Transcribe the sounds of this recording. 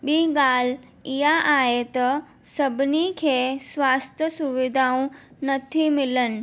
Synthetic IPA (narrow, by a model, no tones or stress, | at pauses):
ɓiːɡaːl̤ | iɦaʔaːɦet̪ɐ | sɐbʱnikʰeːsʋaːst̪ʰjəsuʋɪd̪ʱaːũnɐt̪ʰimɪlənɪ̆